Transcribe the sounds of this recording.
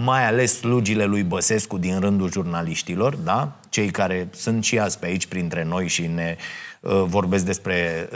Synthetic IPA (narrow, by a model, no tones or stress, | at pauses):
majale̞sːlud͡ʒile̞lujbəse̞skud̪inɾɨnd̪uʒurnaliʃt̪ilo̞rd̪a | t͡ʃe̞jkaɾe̞sunt̪ʃiasʲpeait͡ʃʲpɾint̪ɾe̞no̞jʃine̞əvo̞rbe̞s̬k̚d̪e̞spɾe̞